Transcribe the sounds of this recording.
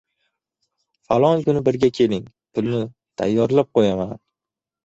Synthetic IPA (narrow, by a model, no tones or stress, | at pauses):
falˠɒŋkʊnɪbɪɾɡʲakʲʰe̞lɪŋ | t̪ʰʊlˠnɪ | t̪ʰa̰jːɒɾlap̚qʰojaman